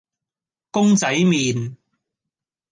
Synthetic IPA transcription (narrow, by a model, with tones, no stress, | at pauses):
kʊ˥ŋt͡sɐ˨˥jmiː˨n